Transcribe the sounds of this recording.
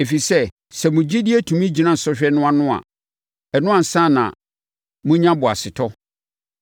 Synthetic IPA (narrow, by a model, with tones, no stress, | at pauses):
e˨fi˨sɛ˦ | sɛ˨mʊ̃˨d͡ʑi˦dɪ˦ɛ˦tʰũ˨mĩ˦d͡ʑi˨nã˦˨n̩˨sɔ˦ɕᶣɛ˦nʊ̃˦a˨nʊ̃˦a̰˨ | ɛ˨nʊ̃˦ã˨n̩˨sã˦˨nã̰˨ | mũ˦ɲã˦bʊ˨a˨sɪ˨tʰɔ˦